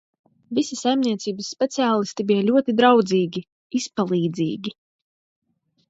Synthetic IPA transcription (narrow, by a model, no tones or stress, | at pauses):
visisajmniɛt̪siːbəsːpʲɛt̪siaːlˠist̪ibijalʲuɔt̪id̪ɾawd̪ziːɡʲi | ispalˠiːd̪zḭːɡʲi